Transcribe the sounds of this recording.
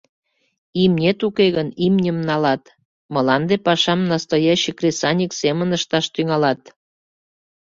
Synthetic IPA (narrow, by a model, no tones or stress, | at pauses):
imnʲet̪ukeɣənimnʲəmnɑlɑt̪ | məlɑnd̪epɑʃɑmnɑst̪ɑjɑɕəkrʲesɑnʲiksemənəʃt̪ɑʃt̪yŋɑlɑt̪